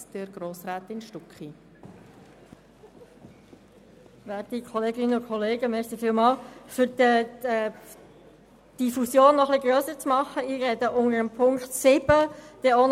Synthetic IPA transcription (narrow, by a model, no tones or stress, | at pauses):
d̥əɾɡ̥ɾoːsɾaːt̪ɪnʃtɔkχi | ʋæːɾikʰɔleːɡɪnəʊkʰɔleːɡəmɛsifɪːlmɑːlfʏɾdə | d̪̥ifusjoːnːɔχliɡɾøːsəɾt͡smɑχəiːɾɛd̪əʔʊŋəɾəmpʰʊŋkt̪sɪbəd̪̥ɛon